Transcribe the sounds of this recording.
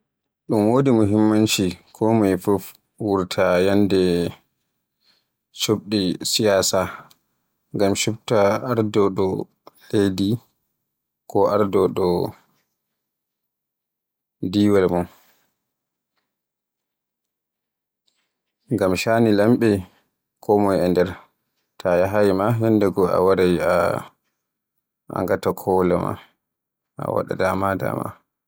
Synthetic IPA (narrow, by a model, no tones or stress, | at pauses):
ɗumwoːdimuɦimːant͡ʃikʰɔmajfuf | wuɾtʰajandɛ | t͡ʃob̚ɗisijaːsa | ŋɡamʃub̚taaɾdɔɗɔ | lejdi | kɔaɾdɔɗɔ | diːwalmɔn | ŋɡamʃanilamɓɛ | kʰɔmɔjɛndɛɾ | tʰajaɦajmahɛndɛɡɔa̰waɾaja | a̰ŋɡatakʰɔlama̰ | a̰wa̰ɗa̰damada̰ma̰